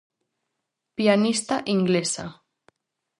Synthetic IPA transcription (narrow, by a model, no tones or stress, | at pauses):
pianist̪aʔiŋɡlesa̰